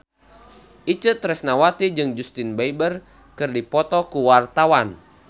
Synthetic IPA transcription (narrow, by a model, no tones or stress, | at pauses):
ʔit͡ʃət̪ɾɛsnawat̪id͡ʒɨŋd͡ʒust̪inbaibər | kɨrdipɔt̪ɔkuwart̪awan